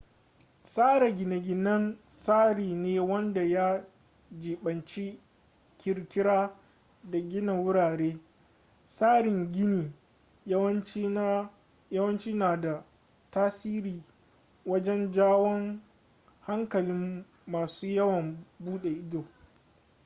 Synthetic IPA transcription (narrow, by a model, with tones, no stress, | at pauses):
saː˦ɾa˨ɡʲɪ˨na˨ɡʲɪ˨nɐ˦nsaː˦ɾiː˨neː˦wɐ˦nda˨ja˦ | d͡ʒiː˨ɓɐ˨nt͡ʃi˦ | kʲɪ˨ɾkʲɪ˦ɾaː˦ | da˨ɡʲɪ˦na˨wʊ˦ɽaː˨ɾeː˦ | saː˦ɾɪ˨ŋɡʲɪ˦niː˨˦ | jɐ˦wɐ˦nt͡ʃiː˦naː˨da˨ | taː˦siː˦ɾiː˨ | wɐ˦d͡ʒɛ˦nd͡ʒaː˦wɔ˦ŋ | ha˦ŋkɐ˨lɪ˦mː | aː˨suː˦jɐ˦wɐ˨mbuː˦ɗe˨ʔɪ˦doː˨